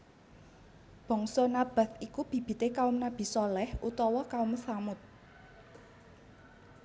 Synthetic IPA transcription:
b̥ɔ̤ŋsɔnab̥a̤θikub̥i̤b̥i̤t̪ekaʊmnab̥i̤sɔlɛhʔut̪ɔwɔkaʊmsamʊt̪̚

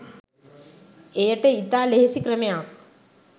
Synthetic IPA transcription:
ejəʈeit̪aːleɦesikɾəmejaːk

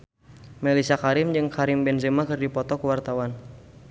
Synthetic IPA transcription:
mɛlisakaɾɪmd͡ʒɨŋkaɾɪmbɛnzemakɨrdipɔt̪ɔkəwart̪awan

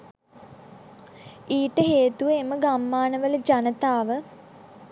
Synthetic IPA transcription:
iːʈəɦeːt̪uʋəeməɡamːaːnəʋələd͡ʒanət̪aːʋə

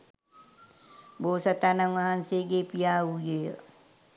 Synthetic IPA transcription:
boːsat̪anaŋʋaɦanseɡepijaːujejə̰

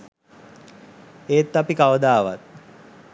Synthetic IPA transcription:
eːt̪ːapikaʋəd̪aːʋa̰t̪̚

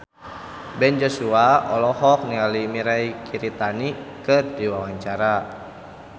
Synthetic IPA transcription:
bɛnd͡ʒɔsuaɔ̰lɔhɔk̚nialimiɾaikʰiɾit̪anikɨrdiwawaɲt͡ʃaɾa

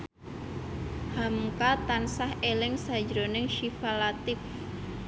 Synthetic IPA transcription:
hamkat̪ansahelɪŋsḁd͡ʒɾonɪŋʃifalat̪ɪf

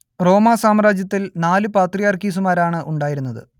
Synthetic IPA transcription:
ro̞ːmaːsaːmɾaːd͡ʑjɐt̪ːilnaːlɨpaːt̪rijaːrkiːs̬umaːɾaːɳɨʔuɳɖaːjiɾunːɐðɨ̰

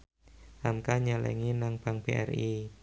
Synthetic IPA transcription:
ʔamkaɲalɛ̰ŋinaŋb̥aŋb̥eʔɛ̰ri

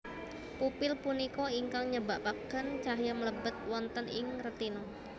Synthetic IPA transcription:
pupɪlpunikɔiŋkaŋɲəbaʔpakɡənt͡ʃaɦjamələbət̪̚wɔnt̪ənɪ̰ŋrət̪inɔ

